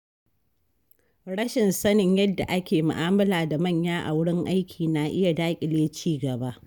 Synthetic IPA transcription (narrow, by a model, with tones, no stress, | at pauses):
ɽɐ˦ʃɪ˨nsɐ˦nɪ˦ɲjɐ˦dːa̰˨ʔa˦kʲeː˨mʊ̰˨ʔaː˦mɐ˦laː˨da˨mɐ˦˨ɲjaː˦ʔa̰˨wʊ˦ɽɪ˦ŋʔa˦jkʲʰiː˨na˨ʔɪ˦ja˨daː˦kʲʼɪ˨leː˦t͡ʃiː˦ɡɐ˨ba˦ʔ